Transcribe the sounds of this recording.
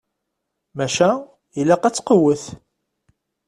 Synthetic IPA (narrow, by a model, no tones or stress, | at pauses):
mæʃæ | ilæqæt͡sːqəwəθ